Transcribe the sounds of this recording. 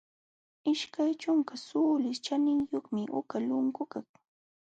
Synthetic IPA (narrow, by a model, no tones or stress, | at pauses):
ɪʃkajt͡ʃʊŋkasuːlɪst͡ʃanɪŋjoχmɪʔʊ̰kalʊŋkʊkaŋ